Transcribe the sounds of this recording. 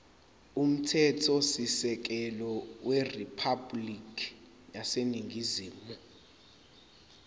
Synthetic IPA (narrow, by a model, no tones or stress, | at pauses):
um̩tʰɛtʰɔsisɛk̬ɛlɔweripʰablikʰʼi̥ | jaseniŋɡʱiziːmɔ